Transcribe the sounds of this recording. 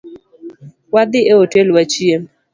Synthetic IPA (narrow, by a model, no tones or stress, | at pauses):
wad̪ɪeotelwat͡ʃjem